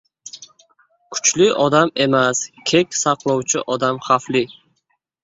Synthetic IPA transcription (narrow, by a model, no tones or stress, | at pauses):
kʰʊ̥t͡ʃlɪʔɒd̪ame̞maskʲʰe̞kʲsɑqlˠɒwt͡ʃʰɪʔɒd̪amχaflɪ